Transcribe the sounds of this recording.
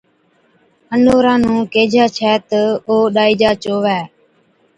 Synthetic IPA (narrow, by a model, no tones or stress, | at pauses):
ənoːɾãːnũːkeːd͡ʒaːt͡ʃʰɛːt̪əoːɗaːiːd͡ʒaːt͡ʃoːʋɛː